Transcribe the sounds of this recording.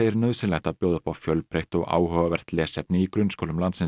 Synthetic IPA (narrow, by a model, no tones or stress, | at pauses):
eɪjɾnœðsɪlɛt̪apjoːðʏhpawfjœlpʰɾeht̪ɔɣa̰ːwhœavɛɾ̥t̪lɛːsɛp̚nɪikɾʏnskowlʏmlant̪sɪn